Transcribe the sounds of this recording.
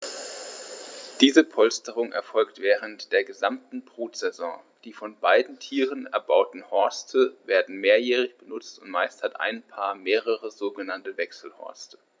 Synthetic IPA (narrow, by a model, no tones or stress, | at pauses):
d̥iːzəpʰɔlstəʁ̞ʊŋʔɛ̰ɐfɔlktv̥ɛːʁ̞əntd̥eːɐɡəzamtn̩bʁuːtz̥ɛzɔ̰̃ː | d̥iːfɔnbaɪdn̩tʰiːʁənɛ̰ɐbaʊtn̩hɔɐstʰəveːɐdn̩meːɐjɛːʁ̞ɪçb̥ənʊt͡stʊntmaɪsthatʔa̰ɪnpʰaːɐmeːʁəʁəzoːɡənantəvɛksl̩hɔ̰ɐstə̥